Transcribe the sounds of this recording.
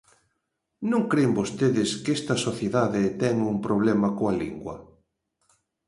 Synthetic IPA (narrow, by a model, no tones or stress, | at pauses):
nõŋkɾembost̪eðɪskest̪ɐsoθjeðaðɪt̪ɛŋumpɾoβ̞lɛmɐkoɐlḭŋɡwɐ̰